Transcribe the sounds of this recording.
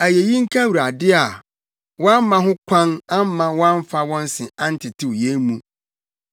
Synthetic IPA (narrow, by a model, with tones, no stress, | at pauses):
æ˨je˨jĩ˦ŋ̩˦kʰã˦wu˨ɾa˨dɪ˦a˨ | wɔ̃˦m˦mã˦ɦʊ̃˦kʷʰã˦nã˦m˦mã˨wã˦ɱ˦fa˦wɔ̃˦n˦sɪ̃˨ã˦n̩˦tʰɪ˨tʰɪ˦wje˦mũ˦